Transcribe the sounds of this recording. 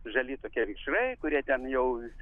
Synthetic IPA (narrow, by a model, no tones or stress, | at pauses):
ʒɐlʲiːt̪oːkʲiɛʋʲiːʃrɐɪkʊɾʲiɛt̪ʲɛnjɛʊ